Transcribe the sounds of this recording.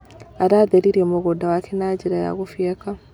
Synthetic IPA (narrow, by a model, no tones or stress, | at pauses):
aɾaðeɾiɾiemuɣudawakʰenaɟiɾaja̰ɣufieka